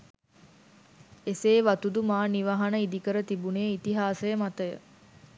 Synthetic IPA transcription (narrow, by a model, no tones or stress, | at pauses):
eseːʋɐt̪ud̪umaːniʋɐɦɐnəid̪ikəɾət̪ibuneːit̪iɦaːsejəmat̪əjə̰